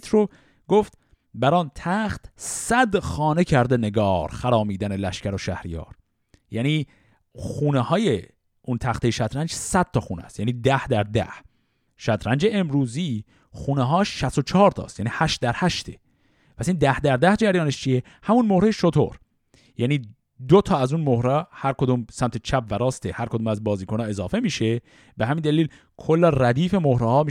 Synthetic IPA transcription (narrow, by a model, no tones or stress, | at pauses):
t̪ʰɾo | ɡoft̪̚ | bæɾɒːnt̪ʰæxt̪sæd̪xɒːne̞cʰæɾd̪ene̞ɡɒːɾxæɾɒːmiːd̪æne̞læʃcæɾoʃæhɾijɒ̰ːɾ | jæːniː | xuːnehɒːje | ʔunt̪ʰæxt̪ejeʃæt̪ɾænd͡ʒsæd̪̥̚t̪ɒxuːnḛæ̰st̪jæniːd̪æhd̪æɾd̪æ̰h | ʃæt̪ʰɾænd͡ʒeemɾuːziː | xuːneɦɒːʃːæst̪ot͡ʃʰehɒːɾt̪ʰɒ̰ːst̪jæniːhæʃt̪̚d̪æɾhæʃt̪ʰe̥̰ | pʰæsiːnd̪æhd̪æɾd̪æhd͡ʒæɾjɒːneʃt͡ʃʰije | hæmunmohɾejeʃot̪ʰo̰ɾ | jæniː | d̪ot̪ʰɒːæzunmohɾɑhæɾko̞d̪uːmsæmt̪ʰet͡ʃʰæpvæɾɒːst̪ehæɾkʰod̪uːmæzbɒːziːkʰonɑːe̞zɒːfe̞miːʃe̞ | beɦæmiːnd̪æliːl | kʰolːæræd̪iːfe̞mohɾehɒːmi